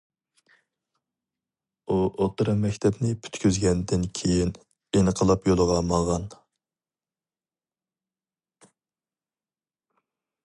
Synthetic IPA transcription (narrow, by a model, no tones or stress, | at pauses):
uʔot̪ɾɑmɛkʲt̪ʰɛbnɪpʰy̥t̪kʲyzɡʲɛnd̪ɪnkʲʰejin | enəqʰəlˠɑpjolˠəʁɑmɑʁɑn